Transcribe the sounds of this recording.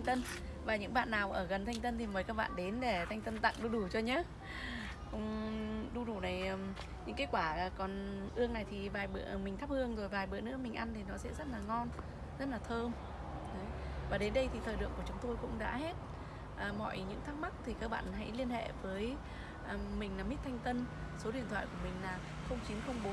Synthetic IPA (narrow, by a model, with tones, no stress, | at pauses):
ŋt̪ə˧n | vaː˨˩ɲɨ̰˧˥ŋɓa̰ː˧˨nːaː˨˩wʔəː˧˩ɣə˨˩nt̪ʰa˧jŋ̟t̪ə˧nt̪ʰi˨˩məː˨˦jkaː˦˥k̚ɓa̰ː˧˨nɗe˨˦nɗe˧˩t̪ʰa˧jŋ̟t̪ə˧nt̪a̰˧˨ŋɗu˧ɗu˧˩t͡ɕɔ˧ɲaː˨˦˥ | kʊ̰˧˥ŋ͡mɗu˧ɗu˧˩nə˨˩jə˨˩m | ɲɨ̰˧˥ŋkaː˨˦kwaː˧˩˨kɔ˨˩nʔɨ˧əŋna˨˩jt̪ʰi˨˩vaː˨˩jɓɨ̰˧˨əʔə˧˩mï˨˩ŋt̪ʰa˦˥p̚hɨ˧əŋzo˨˩jvaː˨˩jɓɨ̰˧˨ənɨ̰˧˥əmï̟˨˩ʔa˧nt̪ʰi˨˩nɔ˨˦sɛ̰˧˥zə˦˥t̚laː˨˩ŋɔ˧n | zə˦˥t̚laː˨˩t̪ʰəː˧m | ə˨˦vaː˨˩ɗe˨˦nɗə˧jt̪ʰi˨˩t̪ʰəː˨˩jɗɨ̰˧˨əŋku˧˩t͡ɕʊ˨˦ŋ͡mt̪o˧jkʊ̰˧˥ŋ͡mɗa̰ː˧˥he˦˥t̚ | ʔəː˨˩mɔ̰˧˨jɲɨ̰˧˥ŋt̪ʰaː˦˥k̚ma˦˥k̚t̪ʰi˨˩kaː˧k̚ɓa̰ː˧˨nɦa̰˧˥jli˧ənhḛ˧˨vəː˨˦j | ʔə˨˩mï˨˩ŋ̟laː˨˩mi˦˥t̚t̪ʰa˧jŋ̟t̪ə˧nso˨˦ɗḭ˧˨ənt̪ʰwa̰ː˧˨ku˧˩əmï˨˩ŋ̟laː˨˩ | xə˧wŋ͡mt͡ɕi˨˦ənxə˧wŋ͡mɓo˨˦